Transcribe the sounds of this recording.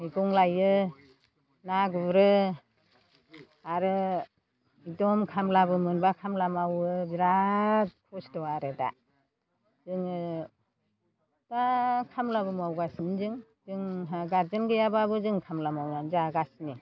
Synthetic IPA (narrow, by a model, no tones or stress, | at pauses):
iɡɔŋlajɯ | naɡuɾɯ | aɾɯ | idɔmkʰamlabɯmɯnbakʰamlamawɯbiɾat̚kʰɔsdɔwaɾeda̰ | zɯŋɯ | dakʰamlabɯmawɡasinizɯŋ | zɯŋaɡaɾd͡ʒɯnɡɯjababɯzɯŋkʰamlamawnanzaɡasni